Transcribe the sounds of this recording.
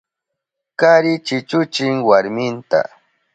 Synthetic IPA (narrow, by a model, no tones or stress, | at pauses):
kaɾɪt͡ʃɪt͡ʃʊt͡ʃɪŋwaɾmɪnt̪a̰